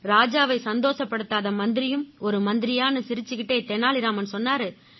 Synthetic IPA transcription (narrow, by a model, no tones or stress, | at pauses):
ɾaːd͡ʒaːʋɐɪsɐnd̪oːʂɐpːɐɽɯt̪ːaːðɐmɐnd̪ɪɾɪjɯmɔɾɯmɐnd̪ɪɾɪjaːnɐsɪɾɯt͡ʃːɪkɪʈːɐɪt̪ɛnːaːɭɪɾaːmɐnsɔnːaːɾɯ